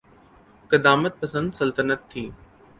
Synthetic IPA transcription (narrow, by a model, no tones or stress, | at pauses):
kɐd̪aːmət̪̚pɐsə̃nd̪sɐlt̪ənət̪ʰːiː